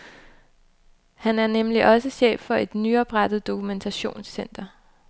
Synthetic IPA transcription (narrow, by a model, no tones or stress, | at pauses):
hænæɐnemliʔɒ̽səɕḛːffɒ̽e̝d̥nyɒ̽b̥ʁad̥ð̞̩ˠd̥o̝kʰument͡sʰæɕo̝̰ːnsːen̰d̥ɐ